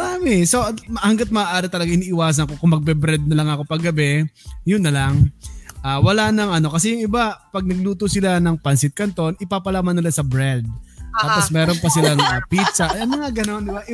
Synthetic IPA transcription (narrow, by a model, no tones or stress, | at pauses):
ɐaːmɛso̞mɐhɐŋɡat̪̚mɐaːʔaːɾɪt̪ɐlɐɡaŋʔɪniːʔɪwaːs̬ɐnkokʊŋmɐɡ̚bɛbɾɛd̪̚nɐlɐŋɐkopɐɡɐbɛjʊnːɐlɐŋʔaːwɐlanɐŋʔɐno̞kɐs̬ɛjʊŋʔɪbapɐɡ̚nɐɡluːt̪osɪlanɐŋpɐnsɪt̪̚kɐnt̪o̞nɪpaːpɐlaːmɐnːɪlasɐbɾɛld̪̚t̪aːpo̞smɛːɾo̞npɐsɪlaŋʔɐpit̪sɐʔɐŋmɐŋaɡɐno̞nd̪ɪbaʔɪ